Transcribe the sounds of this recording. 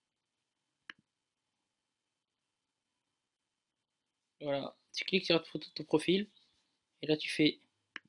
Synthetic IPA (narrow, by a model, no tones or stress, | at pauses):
vwala | t̪y̥klik̚t̪yʁat̪fot̪o̥t̪ɔ̃pχɔfil | elat̪y̥fɛ